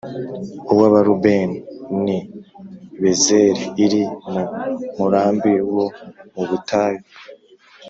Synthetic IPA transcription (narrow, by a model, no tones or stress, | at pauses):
uβwaβaɾubenini | βezeɾeiɾimumuɾaːmbiwomuβutʰaːjo